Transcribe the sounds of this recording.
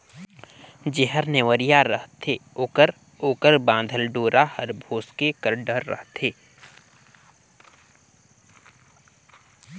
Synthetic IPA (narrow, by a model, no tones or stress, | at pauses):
d͡ʒeɦəɾneʋəɾijaɾəɦt̪ʰeoːkəɾ | oːkəɾbãːnd̪ʱəlɖoːɾahəɾbʱoːskekəɾɖəɾːə̰ɦt̪eː